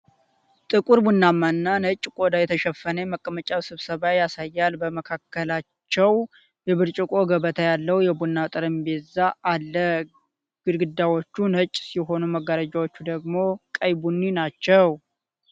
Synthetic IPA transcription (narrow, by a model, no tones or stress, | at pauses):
t̪ʼɨkʼuɾbunːamːanːanət͡ʃʼkʼod̪ajɛt̪ʰəʃɛfːənəməkʼːəmət͡ʃʼaβsɨβsəβajasajːalbəməkʰakːəlat͡ʃːɛw | jɛβɨɾt͡ʃʼɪkʼo̞ɡəβət̪ʰajalːəwjɛbunːat̪ʼɨɾɨmbezaʔalːə | ɡ̥ɨd̪ɡɨd̪ːawot͡ʃːunət͡ʃʼːsiɦo̞numəɡːaɾad͡ʒawot͡ʃːud̪əɡmo̞kʼəjbunːinat͡ʃːɛw